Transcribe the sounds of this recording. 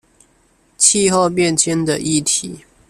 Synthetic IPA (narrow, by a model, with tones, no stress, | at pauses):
t͡ɕʰi˥˧xo˥˧ʊpjɛ˥˨nt͡ɕʰɛ˥˦nd̪ə˨ʔi˥˩˨t̪ʰi˨˩˦